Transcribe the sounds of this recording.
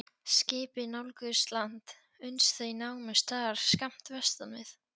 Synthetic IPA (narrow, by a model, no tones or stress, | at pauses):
scɪːpɪnawlkʏst̪lant̪ | ʏnsθejnaːwmɪst̪ʰaːɾ̥skam̥t̪vɛst̪anvɪ̰θ